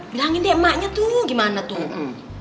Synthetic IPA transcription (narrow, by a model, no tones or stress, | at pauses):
bilaŋindiɛmaʔɲat̪uɡimanat̪u